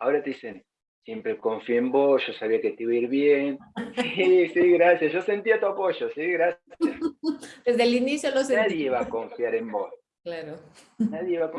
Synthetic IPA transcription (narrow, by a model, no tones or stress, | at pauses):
ao̞ɾat̪eise̞n | sje̞mpɾeko̞ɱfjeemboʒosaβiaket̪iβoiɾβjensisiɣɾasjasʒo̞se̞nt̪iat̪uapo̞ʒosiɣɾasad̪ezðelinisjolosenaðjiβako̞ɱfjaɾe̞mbos | klaɾo | naðjeiβako